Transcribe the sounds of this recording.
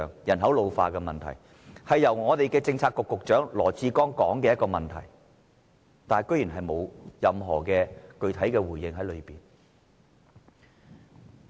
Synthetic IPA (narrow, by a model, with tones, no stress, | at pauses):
ŋjɐ˨˩nɦɐ˨˥wlo˨˧wfa̰ː˧kɛ˧mɐ̰˨nt̪ʰɐ̰˨˩j | hɐ˨jːɐ˨˩wŋɔː˨˧t̪e˨jkɛː˧t͡sɪ˧ŋt͡sʰaː˧t̚kːʊ˨kːʊ˨k̚t͡ʃœː˨˥ŋlɔ̰ː˨˩t͡siː˧kɔː˥ŋkɔː˨˥ŋkɛː˧jɐ˥t̚kɔː˧mɐ˨nt̪ʰɐ̰˨˩j | t̪aː˨kɵ˥ɥjyː˨˩nɦɐ˨jmo˨˧wjɐ˨mɦɔ̰ː˨˩kɛː˧kɵ˧ɥt̪ʰɐ˨˥jkɛː˧wuː˨˩jːɪ˧ŋɦɐ˨˥jlɵ˨˧ɥpiː˨n